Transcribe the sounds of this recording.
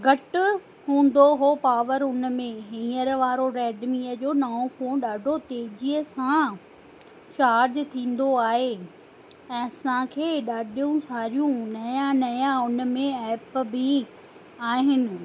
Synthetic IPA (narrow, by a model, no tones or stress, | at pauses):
ɡɐʈ̆ | ɦũːn̆d̪oɦoːpaːʋəɾʊnmẽɦĩːəɾʋaːɾoɾɛːɖmiːəd͡ʑoːnaːõfoːɗaːɖʱot̪eːd͡ʑiəsã | t͡ɕaːɾd͡ʑt̪ʰĩːn̆d̪oaːɦe | ɛ̃ːɐsãkʰeːɗaːɖʱijũsaːɾijũnɐjãnɐjãʊnmẽɛːpbɪ | aːɦɪnɪ̆